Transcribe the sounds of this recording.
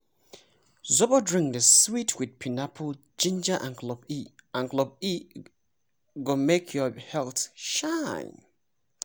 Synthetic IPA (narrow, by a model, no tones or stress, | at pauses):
zɔbɔdɹɪ̃ŋkdəswitʰwid̚pʰinapʰə | d͡ʒĩnd͡ʒaʔã̰nklɔbiãnklɔb̚i | ɡomekʰjɔhɛlθʃaɪ̃n